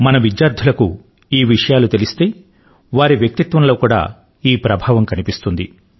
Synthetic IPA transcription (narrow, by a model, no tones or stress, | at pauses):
mɐnɐʋid͡ʒjaːɾd̪ʱulɐkṵ | iːʋiʂɐjaːlut̪e̞list̪e̞ː | ʋaːɾiʋjɐk̚t̪it̪ʋɐnlo̞ːkuːɽa̰ː | iːpɾɐbʱaːʋɐmkɐnipist̪und̪ḭ